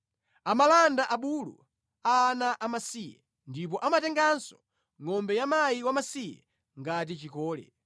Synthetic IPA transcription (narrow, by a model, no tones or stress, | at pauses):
amalandaʔaɓulṵ | aːnaʔamasijɛ̰ | ndip̬ɔʔamatɛŋɡansɔ̥ | ŋɔmbɛjamajiwamasijɛ̰ | ŋɡatit͡ʃikɔːlɛ̰